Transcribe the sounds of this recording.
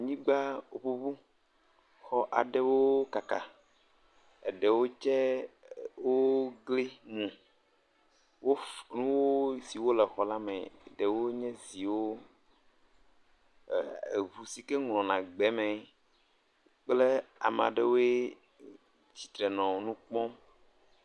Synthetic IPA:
ɲĩ˦ɡ͡ba˦wo˨ɸu˦bu˦ | xɔ˦ʔa̰˨ɖɛ˦wo˦ka˨ka˨ | ḛ˨ɖɛ˨wo˦t͡ʃɛ˦ | wo˦ɡle˦mũ˨ | wo˦nũ˦wo˦si˨wo˦lɛ˨xɔ˨la˦mɛ̰˨ɖɛ˨wo˦ɲɛ̃˦zi˨wo˦˨ | e˨vu˨si˨kɛ˦ŋlɔ̃˨nã˨ɡ͡bɛ˨˦mɛ̃˨ | k͡ple˦a̰˨m˨a̰˨ɖe˦wo˦e˦ | d͡ʑi˨t̪ɾɛ˨nɔ̃˨wnũ˦k͡pɔ̃˦m

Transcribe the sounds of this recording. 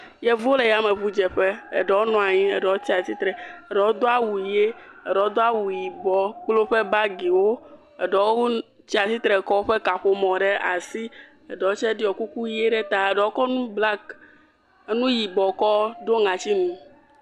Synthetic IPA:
jɛ˦vo˦le˨ja˦mɛ˨βu˦d͡ʒɛ˨ɸɛ˦ḛ˨ɖɛ˨wo˦nɔ̃˨˦a˨ɲĩ˦ɛ˨ɖɛ˨wo˦t̪i˦a˨t̪i˦t̪ɾɛ˨ɛ˨ɖɛ˨wo˦d̪o˦a˦wu˨je˦ɛ˨ɖɛ˨wo˦d̪o˦a˦wu˨ji˨bɔ˨klo˦ɸe˦ba˦ɡi˨wo˦ | ɛ˨ɖɛ˨wo˦o˦ | t͡ɕi˦a˨t̪i˦t̪ɾɛ˨kɔ˦wo˦ɸɛ˦ka˨ɸo˨mɔ̃˨ɖɛ˦a̰˨si˦ | ɛ˨ɖɛ˨wo˦t͡ʃɛ˦ɖi˦ɔ˨ku˦ku˦je˦ɖɛ˦t̪a˨e˨ɖɛ˨wo˦kɔ˦nũ˦bla˦k | e˦nũ˦ji˨bɔ˨kɔ˦ɖo˦ŋã˨t͡ɕi˦nũ˨

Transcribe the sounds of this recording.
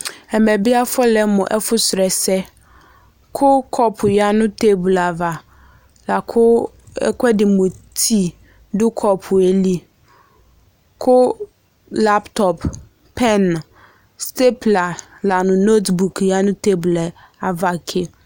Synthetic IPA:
ɛ˨mɛ˨bɪ˦a˦fɔ˦lɛ˦mʊ̃˨ʔɛ˦fʊ˦sɾɛ˨sɛ˦ | kʰʊ˦kʰɔ˦pʰʊ˨ja˦nʊ̃˦tʰe˦bʊ˨la˨va˨ | la˨kʰʊ̰˦ | kʰʷɛ˦dɪ˨mʊ̃˨tʰi˦ | dʊ˦kʰɔ˦pʰʊ˨e˨li˦ | kʰʊ˦ | la˦ptʰɔ˨p | pʰːɛ˦n˨ | ste˦pla˨la˨nʊ̃˨no˦tbu˨kʰja˦nʊ̃˦te˦bʊ˨l | a˨va˨kʰɪ˦

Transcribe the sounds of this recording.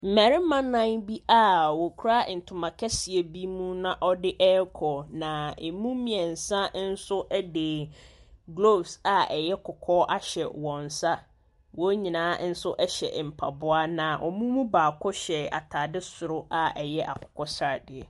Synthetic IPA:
m̩˨mæ˨ɾɪ˦mã˦nã˦ŋbi˦ʔa˦˨wɔ˨kʰu˦ɾa˦n̩˨tʰʊ˨mã˨kʰɛ˦sɪ˨e˨bi˦mũ˦nã˦ʔɔ˦dɪ˦ʔɛ˦kʰɔ˨nã˨e˨mũ˦mĩ˨ɛ̃˨n̩˨sã˦n̩˦sʊ˦ʔɛ˦deː˨ | ɡlo˦˨bsa˨ɛ˨jɛ˦kʰɔ˨kʰɔ˦ʔa˦ɕɛ˨wɔ̃˨n˨sa˦ | wɔ˦ɲĩ˨nãː˨˦n̩˦sʊ˦ʔɛ˦ɕɛ̰˨m̩˨pʰa˨bʊ˦a˦nã˨ʔɔ̰˨mũ˦mũ˦baː˨kʰɔ˦ɕɛ˨a̰˨tʰa˨dɪ˦sʊ˨ɾʊ˦ʔa˨ɛ˨jɛ˦ʔa̰˨kʰʊ̥˨kʰɔ˦sɾa˨dɪ˨ɛ˨

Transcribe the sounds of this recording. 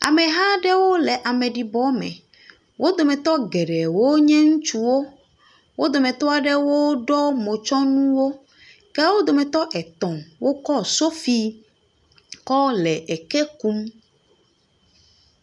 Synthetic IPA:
a̰˨mɛ˨ɦa˦ɖɛ˦wo˦lɛ˨ʔa˨mɛ˨ɖi˨bɔ˨˦mɛ̰̃˨ | wʔo˦d̪o˨mɛ̃˨t̪ɔ˦ɡɛ˨ɖɛ˨wo˦ɲɛ̃˦ŋũ˦t͡ʃu˦wo˦ | wo˦d̪o˨mɛ̃˨t̪ɔ˦a˨ɖɛ˦wo˦ɖɔ˦mõ˨t͡ʃɔ˦nũ˦wo˦ | kɛ˦wo˦d̪o˨mɛ˨t̪ɔ˦ʔɛ˨t̪ɔ̃˨mwo˦kɔ˦so˦fi˦ | kɔ˦lɛ˨ʔɛ˨ke˦ku˦m

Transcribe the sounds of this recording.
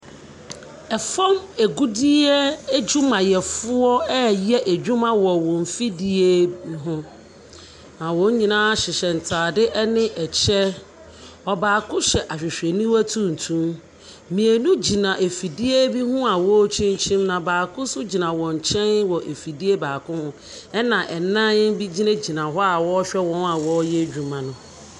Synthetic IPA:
ɛ˨fɔ̃˦me˨ɡu˦di˦ɛ˦d͡ʑũ˦mã˨jɛ˨fʊ˦ɔ˦ɛ˦jɛ˦ʔe˨d͡ʑᶣu˦mã˦wɔ˨wɔ̃˨m˨fi˦di˦e˦ɦʊ̃˦ | nã˨wɔ̃˨˦ɲĩ˨nã˦ɕɪ˨ɕɛ˨n̩˨tʰaː˨dɪ˦ʔɛ˦nɪ̃˦ʔɛ˨t͡ɕʰɛ˦ | ɔ˨baː˨kʰʊ̃˦ɕɛ˨ʔa˨ɕᶣɪ˨ɕᶣɛ˨nĩ˦wæ˦tʰũ˦n̩˨tʰũ˦m | mĩ˨e˨nũ˦d͡ʑi˨nã˨ʔe˨fi˨di˦e˦bi˦hʊ̃˦a˨wɔ˦t͡ɕʰĩ˦ɲ˦t͡ɕʰĩ˦mnã˨baː˨kʊ̃˦sʊ˦d͡ʑi˨nã˨wɔ̃˨ɲ̩˨t͡ɕʰɛ̃˦n˦wɔ˨ʔe˨fi˨di˦e˦baː˨kʰʊ̃˦hʊ̃˦ | ɛ˦nã˨ʔɛ˨nã˦n˦bi˦d͡ʑi˦nẽ˦d͡ʑi˨nã˨ɦɔ˦a˨wɔ˦ɕᶣɛ˦wɔ̃˦na˨wɔ˦jɛ˦d͡ʑᶣu˨mã˨nʊ̃˨

